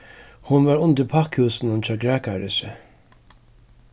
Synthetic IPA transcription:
hʊnvaɾʊnt̪ɪɾpʰakhʉːsɪnʊnt͡ɕaːɡɾaːkaɹɪsɪ

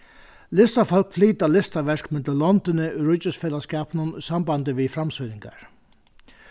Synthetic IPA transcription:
lɪst̪afɔlkfliːt̪alɪst̪aʋɛʂkmɪnt̪llɔnt̪ɪnɪʔʏɾʊt͡ɕːəsfɛːlaskaːpnʊnsambant̪ɪʋifɾamsɔjnɪŋka̰ɹ

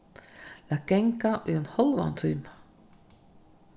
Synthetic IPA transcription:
lakeŋkaʔʏɛnhɔlva̰nt̪ʰyːmḁ

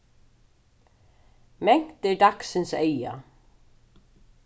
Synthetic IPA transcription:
mɛŋ̥t̪ɪd̪aksɪnseja̰

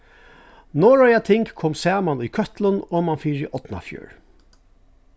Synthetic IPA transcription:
nɔːɹɔjat̪ʰɪŋkkʰɔmsɑːmanʊjkʰœht̪lʊnoːmanfiːɹḭːʔɔt̪na̰fjœ̰ːɹ

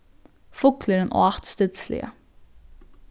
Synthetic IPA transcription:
fʊkləɾənʔoːɑt̪st̪ɪd̪slɪ̰ə̰

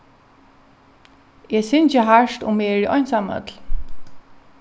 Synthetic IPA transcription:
ɛsɪnt͡ʃəɦaʃt̪ʊ̰mːɛɹiʔɔjnsamœ̰t̪l̥

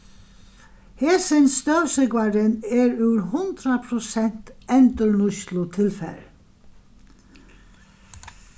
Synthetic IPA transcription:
heːsɪnst̪œʉwsɪɡʋaɾənɛɾʉːɾɦʊnd̪ɾapʰɾʊsɛn̥t̪ɛnt̪əɹɳʊʃlʊt̪ʰɪlfɛ̰ɾ

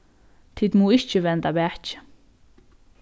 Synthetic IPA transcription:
t̪ʰid̪muːɪt͡ʃəʋɛnt̪abæːht͡ʃ

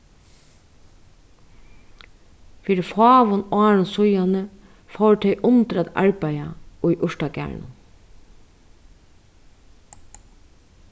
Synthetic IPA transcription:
fiːɾɪfɑːʋʊnɑːɹʊnsʊjanə | fowt̪ʰɛjʔʊnt̪ɾaːt̪a̰ɹpæjaʊjʔʊʂʈakæ̰ɹ̰ɳʊ̰n

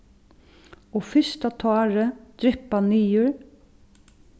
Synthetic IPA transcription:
ɔfʏst̪at̪ʰaːɹəd̪̥ɾɪpaniːjʊɹ

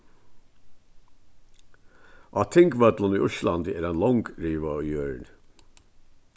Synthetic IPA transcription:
ʔɑːt̪ʰɪŋɡʋœd̪ləniːʊʃlɑnd̪æːɾænlɔŋɡɹiːʋəjøːɹn

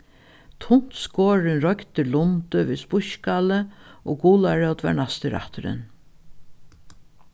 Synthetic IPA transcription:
t̪ʰʊn̥t̪skoːɾɪnɾɔkt̪ɪlʊnt̪ʏviðspʊʃkaləɔːɡuːlaɹœwt̪va̰ɹɳast̪əɾa̰ht̪ʏɾɪ̰n

